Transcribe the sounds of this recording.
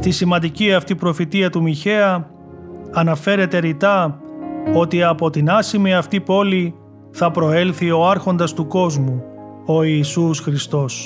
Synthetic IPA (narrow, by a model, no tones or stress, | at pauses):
st̪isimɐnd̪iciɐft̪ipɾo̞fit̪iɐt̪umiçe̞ɐː | nɐfe̞ɾe̞t̪e̞ɾit̪ɐ | o̞t̪iɐpo̞t̪inɐsimiɐft̪ipo̞li | θɐpɾo̞e̞lθio̞ɐɾxo̞nd̪ɐst̪uko̞zmu | o̞iːsusxɾist̪o̞s